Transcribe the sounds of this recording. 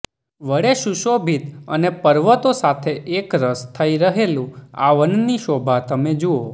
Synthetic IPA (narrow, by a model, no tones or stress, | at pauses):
ʋəɽeʃuʃobʱit̪ə̰nepəɾʋət̪osat̪ʰeʔekɾəst̪ʰəiɾəɦelũa̰ʋənniʃobʱat̪əmed͡ʒuo